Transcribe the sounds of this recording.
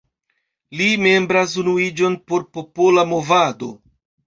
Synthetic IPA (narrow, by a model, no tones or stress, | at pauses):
lime̞mbɾas̬unuid͡ʒo̞npo̞ɾpo̞po̞lamovado̞